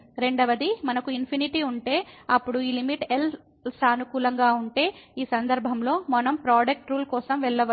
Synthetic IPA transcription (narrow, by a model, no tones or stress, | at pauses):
ɾe̞ɳɖɐʋɐd̪imɐnɐkuinpʰiniʈiːuɳʈe̞ːɐpːuɽuiːlimiʈel | saːnukuːlɐŋɡaːuɳʈe̞ːiːsɐnd̪ɐɾbʱɐmlo̞ːmɔnɐmpɾaːɖɐk̚ʈɾuːlkɔːsɐmʋɛɭːɐʋɐ